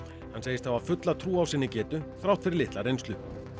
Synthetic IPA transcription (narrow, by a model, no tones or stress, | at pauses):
hanːseːjɪst̪ʰavḁfʏt̪lat̪ʰɾuːawsɪnːɪcɛːt̪ʏθɾawt̪fɪɾɪɾlɪht̪laɾejnst̪lʏ